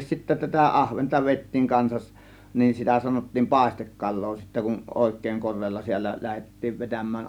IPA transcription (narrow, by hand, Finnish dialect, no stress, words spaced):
sitːæ tætæ ʔɑhʋentɑ ʋeˑitːiːŋ kɑnsɑʔ nin sitæ sɑnotːiːm pɑˑe̝stekːɑlˑoː sitːæ kun oˑeˑkˑeˑĭŋ korˑeːlːɑ siælːæ læhetːiːʋ ʋetæmˑæːn